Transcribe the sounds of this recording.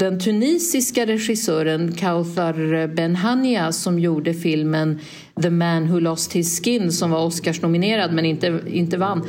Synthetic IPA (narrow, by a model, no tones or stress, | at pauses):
d̪ɛnt̪ʰɵniːsɪskaɾɛɧɪsœːɾənkʰalfaɾbɛnɦanɪasɔmjuːɖəfɪlmən | ðəmænɦʉlɔst̪ʰɪlskɪnːsɔmvaɾɔskaʂnʊmɪneːɾad̪mɛnɪnt̪əɪ̰nt̪əvanː